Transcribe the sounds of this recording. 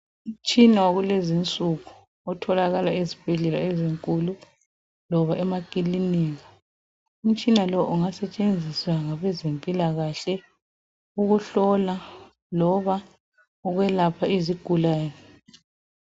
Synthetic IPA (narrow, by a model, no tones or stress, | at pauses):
um̩t͡ʃʼinawaɣulezint͡sʼuɣu | ɔtʰɔlaɣalaezib̥ʱɛɮɛlaeziŋkʼulu | lɔβaʔɛmakʼiliniːɣa | um̩t͡ʃʼinalɔʔuŋasɛt͡ʃʼend͡zʱiswaŋaβɛzempʼilaɣaɬɛ | uɣuɬɔla | lɔβa | ɔɣwɛlapʰaiziɡ̥ʱulaːjɛ